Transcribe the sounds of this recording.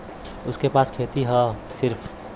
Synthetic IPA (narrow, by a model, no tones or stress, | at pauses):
ʊskepaːskʰeːt̪iɦɛ | sɪɾpʰ